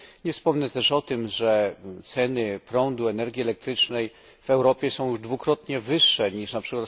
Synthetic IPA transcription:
ɲɛfspɔmnɛt̪ɛʂɔt̪ɘmʐɛt̪sɛnɘpɾɔnd̪uɛnɛɾɡʲiɛlɛk̚t̪ɾɘt͡ʂnɛj | vɛwɾɔpʲjɛsɔ̃w̃juʐd̪vukɾɔt̪ɲɛvɘʂːɛɲiʂnapʂɘkwat̪

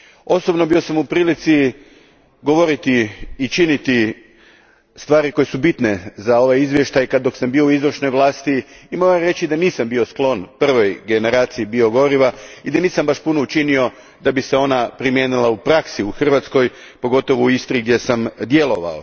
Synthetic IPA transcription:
o̞so̞bno̞bio̞samupɾiːlit̪si | ɡo̞ʋo̞ɾit̪iːt͡ʃinit̪i | st̪ʋaːɾiko̞jesubit̪nezao̞ʋajizʋje̞ʃt̪ajkad̪dːo̞ksambio̞uizɾrʃno̞jʋlˠaːst̪iːmo̞ɾaɾe̞t͡ɕid̪aniːsambio̞sklˠo̞npr̩ʋo̞jɡe̞ne̞ɾaːt̪siːbio̞ɡo̞ɾiʋaid̪aniːsambaʃpunout͡ʃinio̞ | d̪abise̞o̞napɾimjenilˠaupɾaksiuxr̩ʋat̪sko̞j | po̞ɡo̞t̪o̞ʋouist̪ɾiɡd̪je̞samd̪je̞lˠo̞ʋa̰o

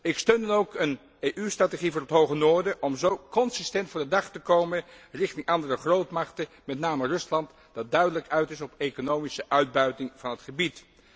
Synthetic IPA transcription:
ɪkstøɥndɑnowkən | eʔystraːteχivʊːrɦətɦowχənoːɹdəʔɔmzowkɔnsɪstɛntfʊːɹdədɑχtəkowmənrɪχtɪŋʔɑndərəχrowtmɑχtə | mɛtnaːmərɵslɑnt | d̥ɑt̚dœɥdələkœɥtɪsɔpejkonowmisəʔœɥd̚bœɥtɪŋvɑnɦətχəbit

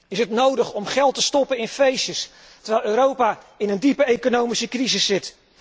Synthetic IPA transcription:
ɪsɦətnowdəχɔmχɛlˠtəstɔpənɪnfejʃəs | tərʋɛjlˠøːɾowpa | ɪnəndipəejkonowmisəkrizɪsːɪt

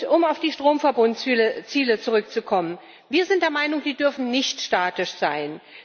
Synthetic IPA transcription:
ʊmaʊfd̥iːʃtʁ̥oːmfɛɐbʊnt͡siːlət͡suʁʏk̚t͡sukʰɔmən | viːɐzɪnt̚d̥eːɐmaɪnʊŋd̥iːdʏɐfn̩nɪçtʃtaːtɪʃz̥aɪn

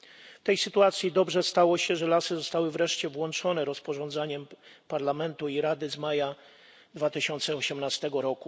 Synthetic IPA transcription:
ft̪ɛjsɘt̪uat̪sʲjid̪ɔbʐɛst̪awɔɕɛʐɛlasɘzɔst̪awɘvɾɛʂt͡ɕɛvwɔnt͡ʂɔnɛɾɔspɔʐɔnd̪zaɲɛmpaɾlamɛnt̪uiɾad̪ɘzmaja | d̪vat̪ɘɕɔnt̪sɛɔɕɛmnast̪ɛɡɔɾɔku

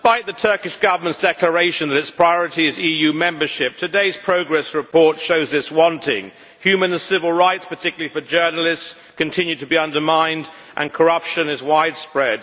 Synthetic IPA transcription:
ɪspaɪt̪̚ðɨtʰɜ˞kɨʃɡ̥ʌvə˞mə̃ntsd̥ɛklə˞eɪʃɨ̃nðɨɾɨtspʰɹ̥aɪɔɹɨɾiɨzijʉmɛ̃mbə˞ʃɪp̚tʰɨdeɪz̥pʰɹ̥oʊɡɹɛsɹɨpʰɔɹtʃoʊzðɪswɑ̃ntʰɪ̰̃ŋ | hjʉmɨ̃nsɪvəlˠɹaɪtspə˞tʰɪkjl̩ˠifə˞d͡ʒɜ˞nl̩ˠɪsts | kɨ̃ntʰɪ̃njʉtʰɨbiʌ̃ndə˞mãɪ̃nd | ʔɨ̰̃nkʰə˞ʌpʃɨ̃nɨzwaɪd̥spɹɛd̥̚

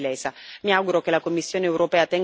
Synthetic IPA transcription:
lɛːsamiawɡuɾokelakomːisːjoːneːwɾopɛːat̪ɛŋ

